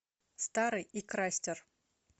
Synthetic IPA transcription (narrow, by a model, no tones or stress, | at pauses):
st̪aɾɨjikɾasʲtʲɪr